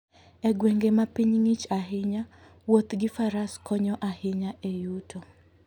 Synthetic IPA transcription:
ɛɡweŋɡemapiɲŋit͡ʃaɦɪɲa | wot̪ɡɪfaɾaskʰɔɲɔʔahɪɲaʔejutʰo

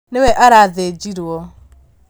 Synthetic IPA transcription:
newɛʔaɾaðed͡ʒiɾwɔ

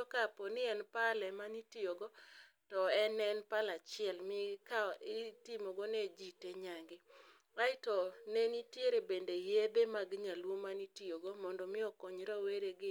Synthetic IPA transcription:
ɔkapɔnɪɛnpalɛmanitioɡɔ | tɔɛnɛnpalat͡ʃɪɛlmɪkaɪtimɔɡɔned͡ʒiteɲaŋɡɪ | aɪtɔnenitjeɾebendejed̪emaɡɲalwomanitioɡɔmɔndɔmɪɔkɔɲɾɔweɾeɡɪ

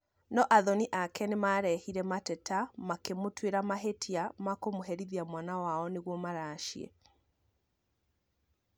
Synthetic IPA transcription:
nɔʔaðɔniʔakɛnemaɾɛhiɾɛmatɛtamakemotweɾamaɦetʰiamakomoɦɛɾiðiamwanawaɔneɣwɔmaɾaːʃiɛ̰

